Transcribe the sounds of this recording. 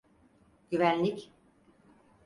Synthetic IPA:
ɟ̥yvænlʲic

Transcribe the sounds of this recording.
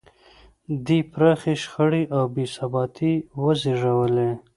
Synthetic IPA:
d̪ipɾɑxeʃxəɽiʔawbesabɑt̪ʰiwəziʐawəle

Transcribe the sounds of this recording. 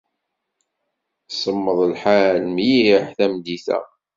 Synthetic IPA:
sˤəmːəðˤlħalmjħθæmd̪iθæ̰

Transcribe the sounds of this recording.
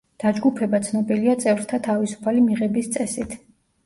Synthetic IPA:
d̪̥ad͡ʒɡupʰɛbat̪sʰnɔbiliat̪sʼɛvɾt̪ʰat̪ʰavisu̥pʰalimiʁɛbist̪sʼɛsit̪ʰ

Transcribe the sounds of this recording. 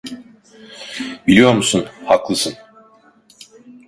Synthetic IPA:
bilʲijo̞ɾmusunhaklˠɯsɯn

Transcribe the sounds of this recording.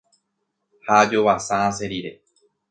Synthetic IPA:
had͡ʒoβasããs̬e̞ɾiɾe̞

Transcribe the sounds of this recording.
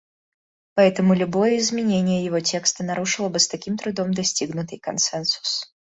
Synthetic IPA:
paɛt̪ɐmʊlʲubɔjɛizʲmʲɛnʲenʲɪjəjavɔt͡sʲɛkst̪ɐnaɾuʂɨlˠɐbɨst̪akʲimt̪ɾud̪ɔmd̪asʲtʲiɣnʊt̪ɨjkansɛnsu̥s

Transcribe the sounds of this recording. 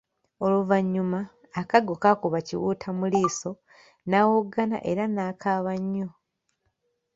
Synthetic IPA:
o̞luvaɲːumaː | kaɡokakuβacḭwṵːtʰamuliːso̞ | naːwoɡana̰ʔeɾanaːkʰaːβaɲːo

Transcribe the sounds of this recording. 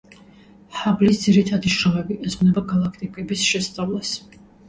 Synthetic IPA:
ħablisd̪ziɾit̪ʰad̪iʃɾɔmɛbiʔɛzʁnɛbaɡalˠakʰt̪ʼikʼɛbisʃɛst̪sʼavlˠas

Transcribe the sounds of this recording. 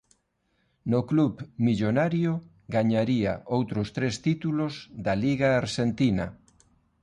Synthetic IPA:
nokluβmiʎonaɾjo | ɡaɲaɾia̰ʔowt̪ɾʊst̪ɾest̪it̪ulozðaliɣaːɾʃent̪ina

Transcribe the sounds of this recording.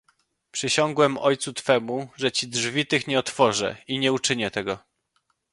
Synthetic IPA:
pʂɘɕɔŋɡwɛmɔjt̪sut̪fɛmuʐɛt͡ɕidʐvʲit̪ɘxɲɛɔt̪fɔʐɛ̰iɲɛut͡ʂɘɲɛt̪ɛɡɔ

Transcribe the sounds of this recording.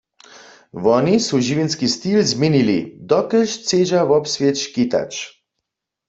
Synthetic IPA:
ʋɔnisuʒivinskist̪ilzminilid̪ɔkəʃt͡seːʒavɔpsvjet͡ʃkit̪a̰t͡ʃ

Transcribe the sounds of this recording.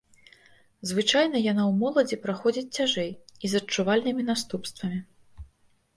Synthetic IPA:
zvɨt͡ʂajnɐjanawmɔlˠɐd͡zʲipɾaxɔd͡zʲit͡sʲt͡sʲaʐɛjizɐt͡ʂːuvalʲnɨmʲinast̪upst̪vɐmʲi

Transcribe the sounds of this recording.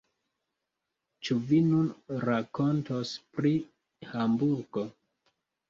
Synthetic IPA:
t͡ʃuvinunɾako̞ntospɾi | hambuɾɡo̞

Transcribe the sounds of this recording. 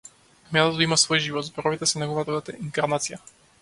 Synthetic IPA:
mʲjɛnat̪imasvɔjʒivɔt̪zbɔɾɔvit̪ɛsɛnaɣuvat̪ɔd̪at̪ɛiŋkaɾnat̪sija

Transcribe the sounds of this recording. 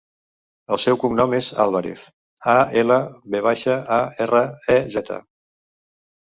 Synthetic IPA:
əlˠsɛwkumnɔmeza̰lˠβəɾḛθ | aeləβeβaʃəaerəɛzɛt̪ʰə̰

